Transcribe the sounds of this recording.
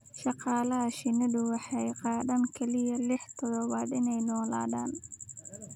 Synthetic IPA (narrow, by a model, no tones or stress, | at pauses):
ʃɑqɑːlɐɦɐʃɪnɐðʊwɑħɑjqɑːðaːŋkʰɐlɪjɐlɪħt̪ʰɔðɔβaːd̪ɪnɛjnɔːla̰ːðaːn